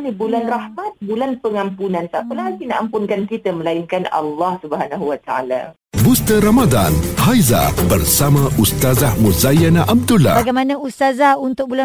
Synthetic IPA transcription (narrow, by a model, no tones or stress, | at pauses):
nibulanrahmat̪̚bulanpəŋãmpunãnsapəlaɡinãʔampʊnkankit̪əməlainkana̰lːɑhsubəɦanaɦuwat̪aa̰la̰ | bust̪əɾamad̪anhajza̰bərsamãʔust̪azahmuzajanaʔab̚d̪ula̰aɡajmanãust̪azaunt̪ʊk̚bula